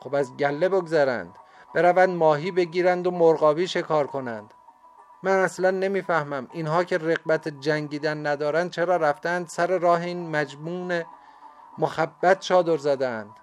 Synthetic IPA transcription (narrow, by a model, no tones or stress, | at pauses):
xobæzɟælːe̞boɡzæɾæ̰nd̪̥ | b̥e̞ɾævænd̪mɒːɦiːbe̞ɟiːɾænd̪omoɾɢɒːbiːʃe̞kʰɒːɾkʰo̞nænd̪̥ | mænæslænːe̞miːfæhmæminɦɒːcʰe̞re̞ɣbæt̪ʰed͡ʒæŋɟiːd̪ænːæd̪ɒːɾænd̪̚t͡ʃʰe̞ɾɒːɾæft̪eænd̪sæɾe̞ɾɒːɦeiːnmæd͡ʒmuːne | moxæbːæt̪ʰt͡ʃɒːd̪o̞ɾzæd̪eænd̪̥